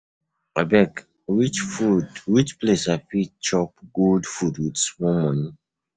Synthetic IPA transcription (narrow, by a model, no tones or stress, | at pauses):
abɛk | wit͡ʃfudwit͡ʃplesafit͡ʃɔpɡuldfudwidsmɔmãni